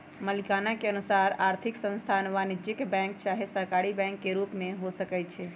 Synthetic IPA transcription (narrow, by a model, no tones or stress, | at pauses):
məlikanakeənusaɾaɾt̪ʰiksə̃nst̪ʰanʋanid͡ʒikbɛ̃ŋk̚t͡ʃaɦesəɦkaɽibɛ̃ŋkːeɾupmeɦosəkɛt͡ʃʰɛ